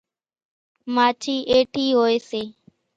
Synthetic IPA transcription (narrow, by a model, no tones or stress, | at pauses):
maːt͡ʃʰiːʔeːʈʰiːɦoːeːseː